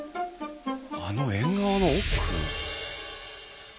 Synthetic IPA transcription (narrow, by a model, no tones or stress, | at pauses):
anoẽŋɡaːnookʰːɯ̰